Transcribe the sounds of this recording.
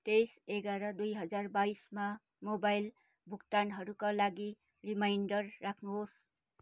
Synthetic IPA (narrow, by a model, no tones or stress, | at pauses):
t̪eseɡaɾʌd̪ujɦʌd͡zarbaisma | mobajl | bʱukt̪anɦʌɾukalaɡi | rimajnɖʌrːakʰnuɦos